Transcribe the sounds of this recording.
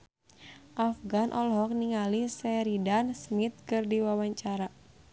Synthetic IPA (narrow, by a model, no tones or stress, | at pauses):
ʔafɡanʔɔlɦɔk̚niŋalisɛɾidansmit̪̚kɨrdiwawaɲt͡ʃaɾa